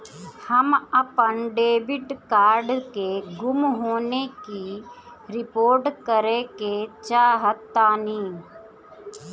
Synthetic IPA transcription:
həməpənɖeːbɪʈkaːɾɖkeɡʊmɦoːneki | ɾɪpoːɾʈkəɾeket͡ʃaːɦət̪ːaːniː

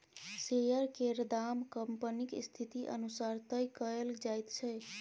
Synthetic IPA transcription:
sejəɾkeɾd̪amkəmpənikst̪ʰit̪iʔə̰nusaɾt̪əjkəeld͡ʒajt̪t͡ʃʰəj

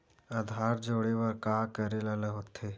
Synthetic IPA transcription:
ad̪ʱaːɾd͡ʒoːɽeʋəɾkaːkəɾelələɦoːt̪ʰeː

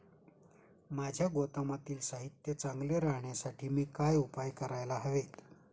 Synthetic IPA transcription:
mad͡ʑʱjaɡot̪əmat̪iːlsaɦit̪jət͡saŋɡleɾaɦɳjasaʈʰiːmiːkajupajkəɾajlaɦəʋet̪

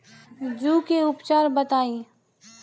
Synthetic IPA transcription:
d͡ʒuːkeʊpt͡ʃaːɾbət̪aːĩ

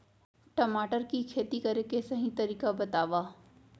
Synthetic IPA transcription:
ʈɐmaːʈəɾkikʰeːt̪ikɐɾekesɐɦĩt̪ɐɾiːkabɐt̪aːʋaː

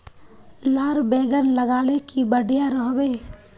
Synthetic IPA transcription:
laːɾbeːɡənləɡaːlekibəɽijaɾəɦbeː

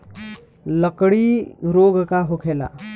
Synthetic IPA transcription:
ləkɽiɾoːɡkaɦokʰeːla̰

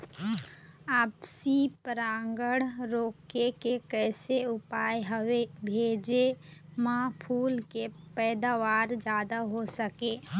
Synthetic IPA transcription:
aːpsipəɾãːŋɡəɽɾoːkekekɛːseʊpaːjɦəwebʱeːd͡ʒemãːpʰuːlkepɛːd̪aːʋaːɾd͡ʒjaːd̪aɦosəkeː

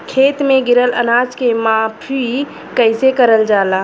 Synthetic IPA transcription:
kʰeːt̪mẽɡɪɾələ̰naːd͡ʒkemãpʰɾi | kəɪsekəɾəld͡ʒaːlaː

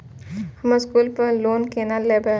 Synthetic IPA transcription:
həməskuːlpəloːnkeːnalːeːbe

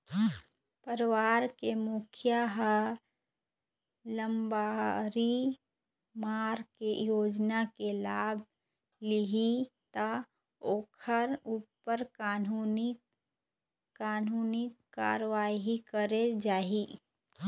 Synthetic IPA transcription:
pəɾʋaːɾkemʊkʰjaɦ | lə̃mbaɾi | maːɾkejoːd͡ʒnakelaːbʱ | lɪɦit̪a | oːkʰəɾupəɾkːnn | kaːnuːnɪkːa̰ːɾʋaːiikəɾed͡ʒaːɦi

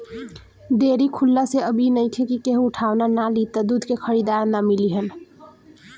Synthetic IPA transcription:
ɖeɾikʰulːaseəbʱinəjtʰekikeɦũːʈʰawnanalit̪əd̪ud̪ʱkekʰəɾid̪aɾnamiliɦən

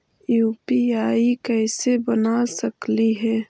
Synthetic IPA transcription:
juːpiaːikɛːsebɐnasɐkliɦɛː

